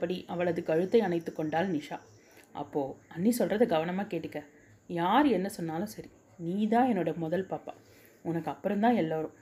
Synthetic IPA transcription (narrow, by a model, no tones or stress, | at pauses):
ɐpːɐɽiʔɐʋɐɭɐðɯkːɐɻɯt̪ːɐɪɐnɐɪt̪ːɯkːɔɳɖaːlnɪʂaː | ʔɐ̰pːoːɐnːisɔlrɐðɯɡɐʋɐnɐmaːkeːʈːɯkːɐ | jaːɾɛnːɐsɔnːaːlɐ̃sɐɾi | niːðãːɛnːɔɽɐmɔðɐlpaːpːa̰ː | ʊnɐkːɯɐpːɯɾɔmt̪ãːɛlːaːɾʊ̃